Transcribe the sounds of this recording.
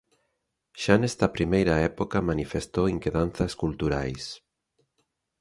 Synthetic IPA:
ʃanɛst̪ɐpɾimejɾaɛpokɐmanifest̪oiŋkeðan̟θɐskult̪uɾajs

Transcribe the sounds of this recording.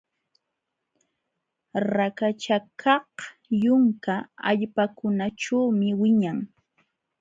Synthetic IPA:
ɾakat͡ʃakʰɑhjʊŋkaa̰ʎpakʊnaʈ͡ʂawmɪwɪɲaŋ

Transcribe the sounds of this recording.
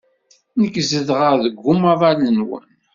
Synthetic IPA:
nəkːzəðʁəɾðəɡːumavˤælənwə̰n

